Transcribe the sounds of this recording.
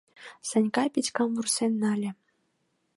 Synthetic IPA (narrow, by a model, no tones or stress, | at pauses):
sɤ̆nʲkɑpʲit͡ɕʲkɑmvursenʲːɑlʲɘ̆